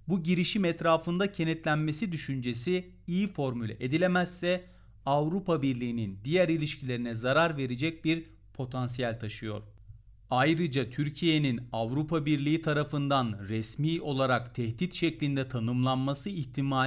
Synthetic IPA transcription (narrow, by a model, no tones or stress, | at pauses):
buɟiɾiʃimɛt̪ɾaːfɯnd̪acʰe̞nɛt̪lʲænme̞sid̪yʃynd͡ʒe̞si | ijifo̞ɾmylʲɛ̰ʔed̪ilʲemæsːɛ | avɾupabiɾlʲiːnind̪ijæɾilʲiʃcʰilʲe̞ɾinɛzaɾaɾve̞ɾed͡ʒɛc̚biɾ | pʰo̞t̪ʰans̬ijælʲt̪ʰaʃɯjo̞̰ɾ̥ | ajɾɯd͡ʒat̪ʰyɾcʰije̞ninavɾupʰabiɾlʲiːit̪ʰaɾafɯnd̪anɾɛsmiːo̞lˠaɾakt̪ʰɛhd̪it̪ʃɛclʲind̪ɛt̪ʰanɯmlˠanmasɯiçt̪ʰimaː